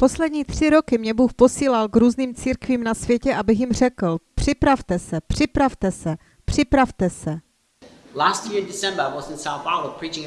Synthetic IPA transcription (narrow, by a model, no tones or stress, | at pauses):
po̞slɛd̪ɲiːt̪r̝̥ɪɾo̞kɪmɲɛbuːxpo̞siːlalkɾuːzniːmt͡siːɾkviːmnasvjɛcɛʔabɪxjɪmr̝ɛkl̩pr̥ɪpɾaft̪ɛsɛpr̝̥ɪpɾaft̪ɛsɛ | pr̥ɪpɾaft̪ɛsɛ | læst̚jɪɹɨ̃ndɪsɛ̃mbə˞awɔzɨ̃nsaʊθawəpʰɹ̥it͡ʃɪ̃ŋ